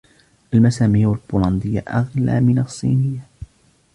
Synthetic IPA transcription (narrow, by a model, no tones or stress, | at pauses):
ʔalmasaːmijːalbuːlɑnd̪ɪjːa̰ʔaɣla̰ːmɪnɑsˤːḭːnɪjːa